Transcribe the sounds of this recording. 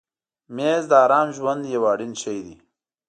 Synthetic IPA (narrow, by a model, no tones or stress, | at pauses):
meːzd̪əɑːɾɑːmʒwand̪jawɑːɽinʃɐjd̪i